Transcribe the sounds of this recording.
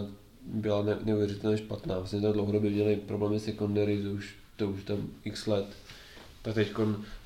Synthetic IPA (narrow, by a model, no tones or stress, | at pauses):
bɪlanɛnɛuvjɛrɪt̪ɛlɲɛʃpat̪naːvlasɲɛt̪adlowɦodobɛmɲɛlɪpɾoblɛːmɪsɛkundaɾɪt̪ouʃ | t̪ouʃt̪amɪkslɛt̪ | t̪akt̪ɛckon